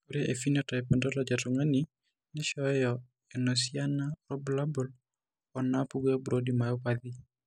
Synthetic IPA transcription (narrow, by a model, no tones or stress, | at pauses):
kuɾɛʔefinɔtɔɛpɛndɔlɔd͡ʒatɔŋani | nɛʃɔjɔ | ɛnosianaɾɔblabɔl | ɔnapuɡɛɔbɾodimajɔpad̪i